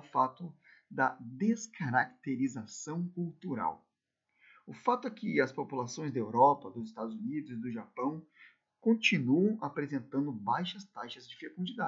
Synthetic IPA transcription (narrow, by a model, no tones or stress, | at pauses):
fat̪ʊ | d̪ɐd̪eskʰaɾakt̪eɾizasɐ̃w̃kuwt̪uɾa̰w | ʊfat̪ʊɛkɪɐspopulasõj̃zd̪ɐewɾɔpɐd̪ʊzɪst̪ad̪ʊzunid̪ʊzɪd̪ʊʒapɐ̃w̃ | kõt͡ʃinuɐ̃w̃apɾezẽnt̪ɐ̃nd̪ʊbajʃɐst̪ajʃɐzd͡ʒɪfekũd͡ʒid̪a